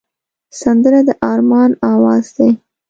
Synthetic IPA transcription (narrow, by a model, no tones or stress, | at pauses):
sand̪əɾad̪əʔɑɾmɑnɑwɑzd̪aj